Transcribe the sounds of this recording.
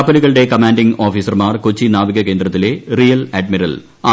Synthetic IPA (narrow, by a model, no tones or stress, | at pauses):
pːɐliɣɐɭɨɽe̞kɐmaːnɖiŋo̞ːfiːsɐrmaːrkot͡ɕːinaːʋiɣɐke̞ːnd̪rɐt̪ːile̞rijɐleɖmiɾɐ̰l | a